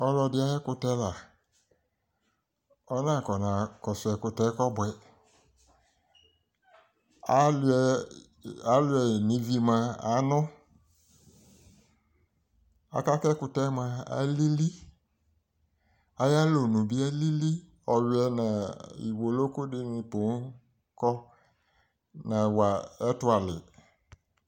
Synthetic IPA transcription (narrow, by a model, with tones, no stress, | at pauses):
ɔ˧lɔ˧dɪ˦a˦jɛ˦kʊ˧tɛ˦la˨ | ɔ˦nã˦˨kɔ˨na˨kɔ˨sɛ˨kʊ˧tɛ˦kɔ˦bwɛ˨ | a˦lɛ˨ | a˨˦lʊ˨˦ɛ˨nĩ˨˦vi˧mã˧a̰˨˦nɔ̃˦ | a̰˨ka˦kɛ˦kʊ˨tɛ˦mã˨a̰˨˦li˦li˦ | a˨ja˦lo˨nũ˨bɪ˦a˦li˦li˦ | ɔ˨wwɛ˨nã˨ḭ˨wo˨lo˦kʊ˦dɪ˦nɪ̃˨pʊ˨n˦ | kɔ˦ | nã˨wa˨ɛ˦tʊ˦a˨lɪ˨